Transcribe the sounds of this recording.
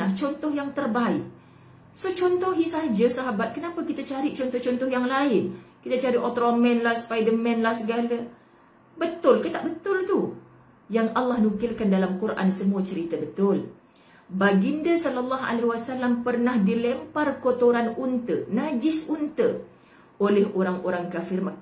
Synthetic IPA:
aht͡ʃɔnt̪ɔhjaŋt̪ərbaɪ̰ʔ | sot͡ʃɔnt̪ɔɦisad͡ʒəsaɦabat̪̚kənapakit̪at͡ʃaɾit͡ʃɔnt̪ɔht͡ʃɔnt̪ɔhjaŋlaɪnkit̪at͡ʃaɾiʔot̪ɾomɛ̃nlahspajdəmɛ̃nlahsəɡalə | bət̪ʊlkət̪aʔbət̪ʊlt̪u | jaŋʔalːɑhnukɪlkandalamkuɾʔa̰nsəmuat͡ʃəɾit̪abət̪ʊl | baɡindasɔlalːaɦa̰leɦwasalampərnahdilɛmparkot̪oɾanunt̪ə̰nad͡ʒɪsunt̪ə | olɛɦoɾaŋoɾaŋkafɪrma

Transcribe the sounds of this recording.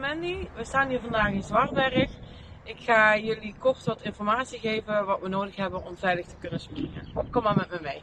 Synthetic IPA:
mɛndiʋəstaːnɦiːɹvɑndaːχɪnzʋɑrʋɛrək | ʔɪkxaːjɵlikɔrtəʋɑtɪnfɔrmaːtsiɣejvəʋɑtʋənoːwdəxɦɛbənɔmvɛjləxtə̥kɵnəsprɪŋə̰nkɔmaːmɛtmɛmej

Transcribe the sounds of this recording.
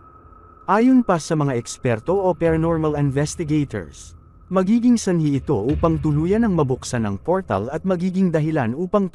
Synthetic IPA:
ʔaːjonpɐsɐmɐŋaʔɛkspɛɾt̪o̞ʔopɛɾɐnoɹmɐlɪnvɛst̪ɪɡejt̪o̰ɹs | mɐɡiːɡɪŋsɐnhiʔɪt̪o̞̰ʔuːpɐŋt̪ʊluːjɐnɐŋmɐbʊksanɐŋpo̞ɹt̪ɐ̰lɐt̪̚mɐɡiːɡɪŋd̪ɐɦɪlanʔuːpɐŋ

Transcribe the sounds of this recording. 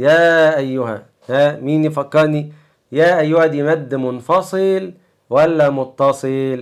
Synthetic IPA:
jæːʔæjːʊɦæ | hæmiːnfɑkːɑɾˤni | jæːʔæjːʊhæd̪imæd̪ːmʊnfɑsˤɨl | wælːæmʊt̪ˤːɑsˤɨl

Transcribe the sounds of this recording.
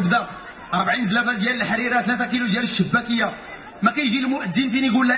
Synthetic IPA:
bd̪æ | ɾˤbʕinzlæbæd̪jæləlħaɾiɾat̪læt̪ækilud̪jæləʃːəbːækəjːa | mækæjʒilmʊʔəd̪ːinfiniɡulːæ

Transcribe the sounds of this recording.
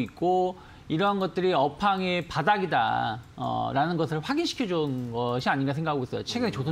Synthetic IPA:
ik̚k͈o | iɾʌnɡʌt̚t͈ɯɾiʌpʰaŋepadaɡida̰ʌ̰ɾanɯnɡʌsʰɯɭɸwaɡinɕʰi̥kʰjʌd͡ʑunɡʌɕʰiaɲinɡasʰeŋɡakʰaɡois͈ʌjot͡ɕʰe̞ɡɯnet͡ɕosʰ

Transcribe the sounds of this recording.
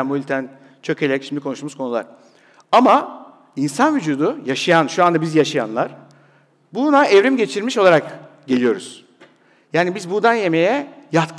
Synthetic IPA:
nbuilʲt̪ʰæn | t͡ʃʰø̞cʰelʲɛcʃimd̪ʲikʰo̞nuʃmuzkʰo̞nulˠa̰ɾ̥ | ama | insanvyd͡ʒuːd̪ujaʃajanʃuand̪abizjaʃaja̰nlˠaɾ̥ | bunaɛvɾimɟe̞t͡ʃʰiɾmiʃo̞lˠaɾakɟe̞lʲijo̞ɾṵz̥ | jaːnibizbuɾd̪anje̞mejɛjat̪kʰ

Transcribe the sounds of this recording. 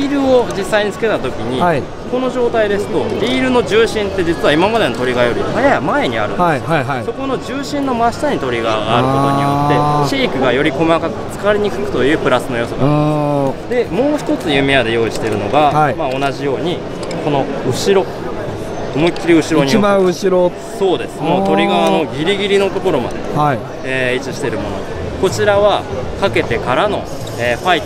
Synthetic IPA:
iːɾɯ̟o̞d͡ʑisːaiɲ̟it͡sɨ̥ke̞t̪at̪o̞kʲiɲ̟i | ko̞no̞ʑo̞ːt̪aid̪e̞sɨ̥t̪o̞dʲiːɾɯ̟no̞ʑɨːɕĩnt̪ːe̞d͡ʑit͡sɨβaimamad̪e̞no̞t̪o̞ɾʲiɡajo̞ɾʲihajajamae̞ɲ̟ia̰ɾɯ̟nso̞ko̞no̞d͡ʑɨːɕĩnːo̞maɕi̥t̪aɲ̟it̪o̞ɾʲiɡaɡaːɾɯoie̞ɕeːkɯ̟ɡajo̞ɾʲiko̞maka | t͡sɨ̥kaβaɾʲiɲ̟ikɯ̟kɯ̟̥t̪o̞jɯ̟ːpɯ̟ɾasɨno̞jo̞soɡa̰ | d̪e̞mo̞ːçi̥t̪o̞t͡sɨjɯ̟mʲiad̪e̞jo̞ːiɕi̥t̪e̞ɾɯ̟no̞ɡaimao̞naʑijo̞ːɲ̟i | ko̞no̞ɯ̟ɕiɾo̞ | moikʲːiɾʲiɯ̟ɕiɾoo̞ɲiaɯɕiɾo | so̞ːd̪e̞sɨ̥moːt̪o̞ɾʲiɡaβano̞ɡʲiɾʲiɡʲiɾʲino̞t̪o̞ko̞ɾo̞ma̰d̪e̞̰ai | eːit͡sɨɕi̥t̪e̞ɾɯ̟mo̞no̞̰ | ko̞t͡ɕiɾaβakake̞t̪e̞kaɾano̞ | eːɸait̪

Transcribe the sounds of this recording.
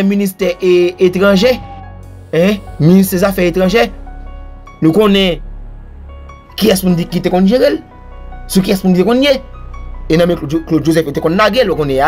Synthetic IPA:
ɛminist̪ɛʔeet̪ʁɑ̃ʒe | ɛ̃minis̬t̪ɛzafɛet̪ʁɐ̃ʒɛ | nũkõnɛ̃ | kiɛspũnt̪ekit̪ekɔ̃nʒeɣel | sukiɛspunkit̪ekɔ̃nje | enãmɛ̃kloʒozɛfet̪ekɔ̃nːaɡelwokõnɛ̃a

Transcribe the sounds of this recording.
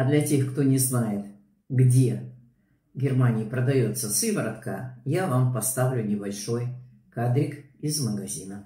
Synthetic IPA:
ɐd̪lʲɐtʲe̞xkt̪o̞nʲɪznajɪt̪ | ɡdʲe̞ | ɡʲɪrmanʲɪːpɾəd̪ɐjo̞t̪səsɨvəɾɐt̪kajavampɐst̪avlʲʊnʲɪbɐlʲʂo̞j | kad̪ɾʲɪkɪzməɡɐzʲinə

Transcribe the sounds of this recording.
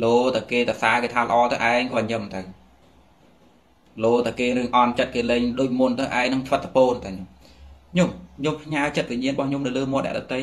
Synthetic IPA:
loːt̪awkeːt̪asaːkeːt̪ʰaːlə̆ʔɑːt̪əwʔaɛŋkɔːɲəmt̪əw | loːt̪awkeːɾɨəŋʔɑnt͡ɕət̪̚keːleːŋɗoːc̚munt̪əwʔaɛŋnɨŋt̪ʰʋət̪̚ːapoːnt̪ʰaɲom | ɲomɲompʰɲaət͡ɕət̪̚ʋiɲiənrəɓɑhɲomnɨwləːmoət̚nɛ̆əʔɗɑt̪əj

